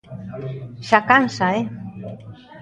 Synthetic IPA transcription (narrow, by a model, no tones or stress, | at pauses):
ʃakansae